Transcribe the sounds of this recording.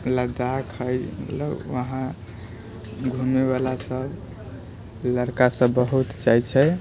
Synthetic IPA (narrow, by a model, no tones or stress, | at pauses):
ləd̪akʰəjmət̪lə̰bːəɦã | ɡʱumeβalasəb | ləɾkasə̃bːəɦut̪t͡ʃajt͡ʃʰɛ